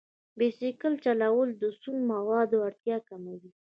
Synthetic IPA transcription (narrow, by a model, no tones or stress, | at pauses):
besɪkəlt͡ʃalawəld̪əsunmawɑd̪oaɽt̪jɑkamawi